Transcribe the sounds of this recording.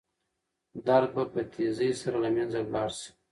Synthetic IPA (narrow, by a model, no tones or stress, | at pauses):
d̪aɾ̚bapət̪ʰezəjsaɾalamjanzawlɑɾsi̥